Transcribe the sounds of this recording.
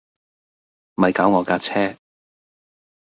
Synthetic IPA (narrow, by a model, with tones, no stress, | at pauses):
mɐ˨˧jkaː˨˥wŋɔː˨˧kaː˧t͡sʰɛː˥